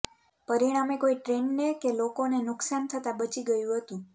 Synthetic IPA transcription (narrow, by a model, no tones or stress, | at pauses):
pəɾiɽ̃amekoiʈɾeɳnekelokonenʊksant̪ʰət̪abət͡ʃiɡəjũɦət̪ũ